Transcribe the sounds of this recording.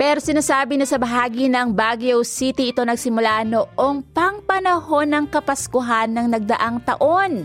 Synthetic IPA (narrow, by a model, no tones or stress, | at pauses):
pɛːɾo̞sɪnaːsaːbɪnɐsɐbɐɦaːɡinɐŋbaːɡiowsit̪iʔɪt̪o̞nɐɡsɪmʊlaʔnoʔo̞ŋpɐŋpɐnɐho̞nɐŋkɐpɐskʊɦanːɐŋnɐɡ̚d̪ɐʔaŋt̪ɐ̰ʔo̞n